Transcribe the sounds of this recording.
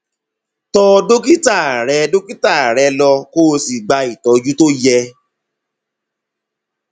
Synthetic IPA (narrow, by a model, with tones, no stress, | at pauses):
tɔ˧do˦ki˦ta˦˨ɾɛ˨˧˦do˦ki˦ta˦˨ɾɛ˨˧lɔ˧ko˦˧si˨ɡ͡ba˧i˨tɔ˨˦d͡ʒu˦to˦jɛ˧